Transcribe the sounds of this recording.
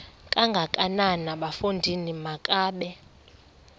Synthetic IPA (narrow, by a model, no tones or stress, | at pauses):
kʼaŋɡʱakʼananaɓafundʱinimakʼaːɓɛ